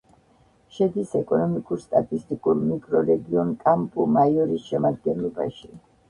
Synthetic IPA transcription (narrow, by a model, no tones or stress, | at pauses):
ʃɛd̪isɛkʼɔnɔmikʼuɾst̪ʼat̪ʼist̪ʼikʼuɾmikʼɾɔɾɛɡiɔnkʼampʼumaiɔɾisʃɛmad̪̚ɡɛnlˠɔba̰ʃi